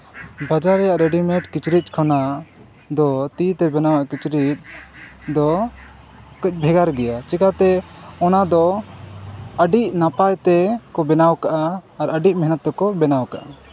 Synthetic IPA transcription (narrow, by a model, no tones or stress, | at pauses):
bad͡ʒaɾɛjaʔɾɛɖimɛʈkit͡ʃɾic̪̚kʰɔna | d̪ɔt̪it̪ɛbɛnawaʔkit͡ʃɾit̪̚d̪ɔ | kəc̚ˀbʱɛɡaɾɡɛjat͡ʃikat̪ɛɔnad̪ɔ | əɖiʔnapajt̪ɛkɔbɛnawkaʔaːɾəɖic̚mɛɦnət̪ːɛkɔbɛnawkaʔa